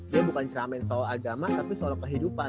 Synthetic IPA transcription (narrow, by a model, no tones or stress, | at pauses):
diabukant͡ʃəɾamɛnsoaɡamat̪apisəoɾaŋkəɦidupa